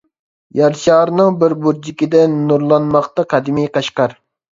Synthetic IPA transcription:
jɑɾʃɑːɾnɨŋbɪɾbuɾd͡ʒikʲid̪ɛnːuɾlˠɑnmɑqt̪ɑqʰɑd̪ɪmijqɑʃqɑɾ

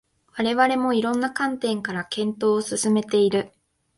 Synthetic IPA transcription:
βaɾe̞βaɾe̞mo̞iɾõ̞nːakãnt̪ẽ̞ŋkaɾakẽ̞nt̪o̞ːsɨsɨme̞t̪e̞iɾɯ̟

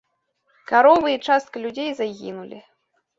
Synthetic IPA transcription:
kaɾɔvɨit͡ʂast̪̚kɐlʲud͡zʲejzaɣʲḭnulʲḭ

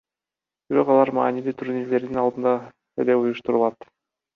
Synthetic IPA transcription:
b̥iɾo̞qɑlˠɑɾmɑ̰ːnilit̪ʰuɾnile̞ɾd̪inɑlˠd̪ɯnd̪ɑ | eleujuʃt̪uɾulˠɑt̪

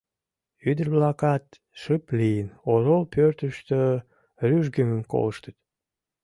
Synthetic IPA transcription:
yd̪ərβlɑkɑt̪ | ʃɨplijənoɾolpørt̪əʃt̪ø | ryʒɡøməmko̰ləʃt̪ət̪

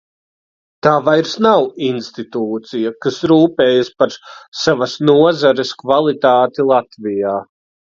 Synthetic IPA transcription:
t̪aːvajɾsnawinst̪it̪uːt̪sijakasɾuːpɛːjaspaɾsavɐsnuɔzaɾeskvalˠit̪aːt̪ilˠat̪vijaː

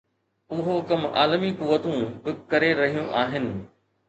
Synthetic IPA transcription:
ʊɦokɐma̰ːlmikuʋːət̪ũbɪkɐɾeɾɐɦijũʔaːɦɪnɪ̆

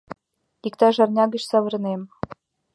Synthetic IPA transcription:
ikt̪ɑʐɑrnʲɑɡɤ̆ɕsɑβɤ̆r̆nem

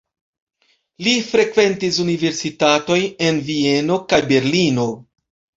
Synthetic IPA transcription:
lifɾe̞kve̞ntis̬unive̞ɾsitato̞je̞nvie̞no̞kajbe̞ɾlino̞

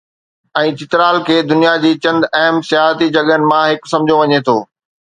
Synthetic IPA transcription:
ɛ̃ːt͡ɕɪt̪ɪɾaːlkʰeːd̪ʊnijad͡ʑiːt͡ɕɐ̃nd̪ɛɦəmsɪjaːɦət̪id͡ʑɐɠənɪ̆mãɦɪksɐ̃md͡ʑʱoʋɐɲet̪ʰoː

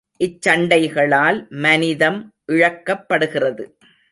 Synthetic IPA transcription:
ʔɪt͡ʃːɐɳɖɐɪɣɐɭaːlmɐnɪðɐmʔɪɻɐkːɐpːɐɽɯɣɪrɐðɯ

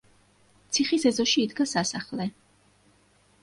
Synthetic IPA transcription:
t̪sʰiχisɛzɔʃiːd̪ɡasasaχlɛ

